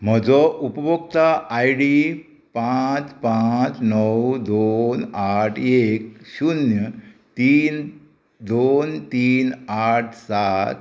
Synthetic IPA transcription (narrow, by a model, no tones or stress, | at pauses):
m̤əd͡zɔʔupəbokt̪aʔːjɽi | pãt͡spãt͡snəwd̪onaʈʰekɕunjət̪iːn | d̪ont̪iːnaʈʰsat̪